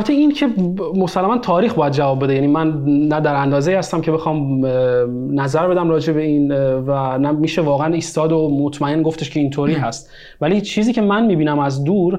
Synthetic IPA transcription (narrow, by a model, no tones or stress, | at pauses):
bæt̪ʰeincʰe̞mosælːæmænt̪ʰɒːɾiːxbɒːjæd̪̚d͡ʒævɒːbːe̞d̪e̞jæːniːmænːæd̪æɾænd̪ɒːze̞iːhæst̪æmcʰe̞be̞xɒːm | næzæɾbe̞d̪æmɾɒːd͡ʒe̞be̞invænæmiːʃevɒːɣeæniːst̪ɒːd̪omot̪ʰmæe̞nɡo̞ft̪eʃcʰe̞int̪ʰoːɾiːɦæst̪ | væliːt͡ʃʰiːziːcʰemænmiːbiːnæmæzd̪uːɾ